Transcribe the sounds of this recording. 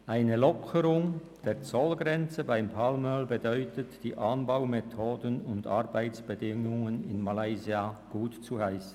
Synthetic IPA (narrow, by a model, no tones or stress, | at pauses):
ʔaɪnəlɔkʰəɾʊŋ | d̥eːʁt͡sɔlɡʁɛnt͡səbaɪmpʰalmœlbədœʏtətd̥iːʔanbaʊmetʰoːdənʊndʔa̰ʁbaɪt͡sb̥ədɪŋʊŋənɪnmalaɪziaɡ̥uːtt͡suhaɪsn̩